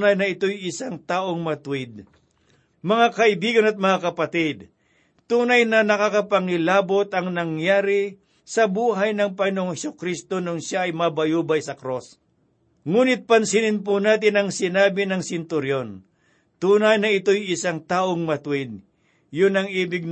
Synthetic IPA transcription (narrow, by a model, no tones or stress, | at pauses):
najnɐɪt̪ojɪsaŋt̪aːʔoŋmɐt̪ʊwɪd̪̚ | mɐŋakɐʔɪbiːɡɐnɐt̪̚mɐŋakɐpɐt̪ɪd̪̚ | t̪uːnɐjnɐnɐkakɐpɐŋɪlaːbot̪ɐŋnɐŋjaːɾɪ | sɐbuːɦɐjnɐŋpɐŋɪnooŋhɛsʊkɾist̪o̞nʊŋʃaɐjmɐbɐjuːbɐjsɐkɾos | ŋuːnɪt̪̚pɐnsɪnɪnpʊnaːt̪̬ɪnɐŋsɪnaːbɪnɐŋsɪnt̪ʊɾjon | t̪uːnɐjnɐɪt̪ojɪsaŋt̪aːʔoŋmɐt̪wɪd̪̚ | jʊnɐŋiːbɪɡ̚